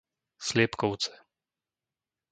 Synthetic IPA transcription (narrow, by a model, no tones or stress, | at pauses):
slɪɛpkɔʊt͡sɛ̥